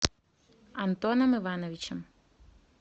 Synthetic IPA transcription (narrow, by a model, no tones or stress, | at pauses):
ɐnt̪ɔnɐmɪʋanɔʋʲit͡ʃɛm